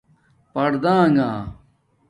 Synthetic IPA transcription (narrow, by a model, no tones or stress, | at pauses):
pɐɽd̪ãːŋaː